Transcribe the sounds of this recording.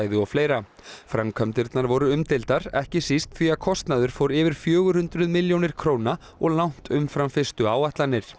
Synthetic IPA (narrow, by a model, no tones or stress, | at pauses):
jðʏɔfleːjɾa | fɾamkʰœmt̪ɪɾt̪naɾvɔɾʏʏmt̪ɪlt̪aɾɛhcɪsist̪θiakʰɔst̪naðʏɾ̥fowɾɪvɪɾ̥fjœːɣʏhʏnt̪ɾʏðmɪljownɪɾ̥kʰɾowna | ɔɣlawn̥t̪ʏmfɾamfɪst̪ʏaːwaht̪lanːɪɾ̥